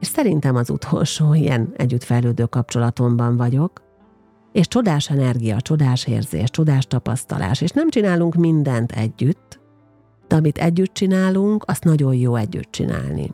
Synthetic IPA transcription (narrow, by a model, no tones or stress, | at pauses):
eʃsɛɾint̪ɛmɒzṵt̪ʰo̞lʃoːijɛ̰nɛɟːyt̪fɛjløːd̪øːkɒp̚t͡ʃo̞lɒt̪o̞mbɒɱvɒɟo̞k | eːʃt͡ʃo̞d̪aːʃɛnɛrɡijɒt͡ʃo̞d̪aːʃḛːrzḛːʃt͡ʃo̞d̪aːʃt̪ɒpɒ̰st̪ɒ̰lʔa̰ːʃeːʃnɛmt͡ʃinaːluŋkmind̪ɛnt̪ʰɛ̰ɟːyt̪ː | d̪̥ɛɒmit̪ʰɛɟːyt̪̚t͡ʃinaːluŋkɒst̪nɒɟo̞jjoːɛɟːy̰t̪̚t͡ʃḭna̰ːlnḭ